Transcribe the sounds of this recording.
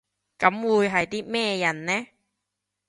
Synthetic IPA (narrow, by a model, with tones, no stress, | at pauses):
kɐ˨˥mwuː˨˧jɦɐ˨jt̪iː˥mɛː˥˧jɐ˨˩nnɛː˥